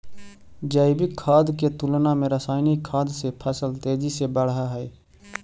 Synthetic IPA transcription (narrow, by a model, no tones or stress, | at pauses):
d͡ʒəːɪbɪkʰːaːd̪ket̪ʊlnãːmẽɾəsaːɪnikʰːaːd̪sepʰəsəlt̪eːd͡ʒiːsebəɽɦaːɦɛeː